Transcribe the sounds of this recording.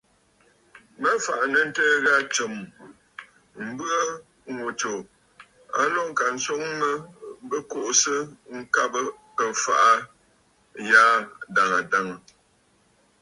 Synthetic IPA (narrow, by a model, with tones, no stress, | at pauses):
mə˦fa˨ʔnə˨n̩˦təː˦ɣa˦t͡ʃə˨m | m̩˦bɨ˦a˦ | ŋo˨t͡ʃo˨ | a˦lo˦ŋ̩˨ka˨n̩˦so˦ŋmə˦bə˦ko˦˨ʔsə˦ŋ̩˦ka˦bə˦ | ə˨fa̰˦ʔa˦ | jaː˦da˨ŋa˨da˨ŋə˨